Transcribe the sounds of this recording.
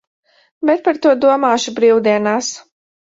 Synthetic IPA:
bɛt̪̚paɾt̪uɔd̪uɔmaːʃubɾiːwd̪iɛnaːs

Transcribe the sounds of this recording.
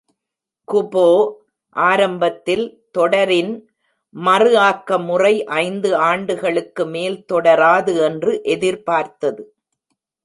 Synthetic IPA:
kʊboː | ʔaːɾɐmbɐt̪ːɪlt̪ɔɽɐɾɪn | mɐrɯaːkːɐmʊrɐɪʔɐɪnd̪ɯaːɳɖɯɣɐɭɯkːɯmeːlt̪ɔɽɐɾaːðɯɛndrɯʔɛðɪɾpaːɾt̪ɐðɯ

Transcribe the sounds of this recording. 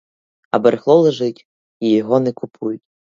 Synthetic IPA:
ɐ̰bɐɾxlˠɔlˠɐʐɨtʲ | ijɔɣɔnɨkupʰujutʲ

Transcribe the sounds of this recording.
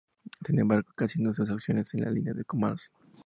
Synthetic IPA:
sinembaɾɣokasjend̪os̬us̬aksjo̞nesenlʔa̰linjaðekomals

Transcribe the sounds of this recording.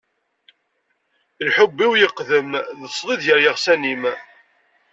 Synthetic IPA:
lħʊbːiwjəqːðəmðəsˤlˤɪðjəɾjəʁsænim

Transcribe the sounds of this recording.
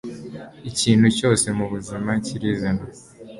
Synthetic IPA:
iciːn̥huco̞ːse̞muβuzimaciɾizina

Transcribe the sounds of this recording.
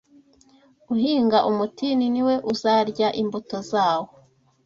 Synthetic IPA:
uɦiːŋɡaʔumutininiwe̞ʔuzaɾɟaʔimbutozaːwo

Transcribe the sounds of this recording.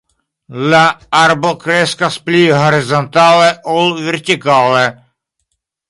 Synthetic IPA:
laaɾbɔkɾɛːskasplʲiːɦɔɾɪzɔnt̪aːlɛʔɔlʋɛɾt̪ʲɪkaːlɛ

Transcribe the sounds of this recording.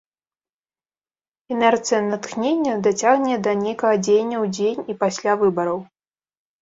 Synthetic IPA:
ɛnɛrt̪sɨjɐnɐt̪xnʲenʲːɛd̪at͡sʲaɣnʲɛd̪ɐnʲejkɐɣɐd͡zʲejnʲːɐwd͡zʲejnʲipasʲlʲavɨbɐɾɐw

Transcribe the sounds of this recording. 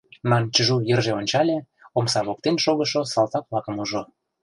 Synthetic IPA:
nɑnt͡ɕə̆ʒujə̆rʒeonʲt͡ɕɑlʲe | omsɑβok̚t̪enʃoɣə̆ʃosɑlt̪ɑkβlɑkə̆muʒo

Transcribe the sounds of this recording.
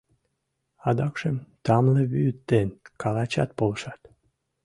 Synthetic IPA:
ɑd̪ɑkʃəmt̪ɑmleβyt̪ːenkɑlɑt͡ɕɑt̪̚poləʃɑt̪

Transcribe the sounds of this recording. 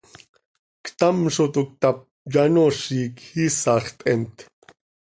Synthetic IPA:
kʰt̪amʂot̪uk̚t̪ap̚ | janoʂiːkhisaχt̪ʼent̪ʰ

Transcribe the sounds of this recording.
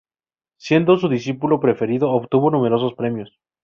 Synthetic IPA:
sje̞nd̪os̬uðisipulo̞pɾe̞fe̞ɾiðo̞ːβt̪uβo̞nume̞ɾo̞s̬o̞spɾe̞mjo̞s

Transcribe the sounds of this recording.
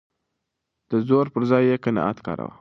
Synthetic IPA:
d̪̥əzoɾpəɾzɑjːekənɑ̰ʔa̰t̪kɑ̰ɾa̰wa̰

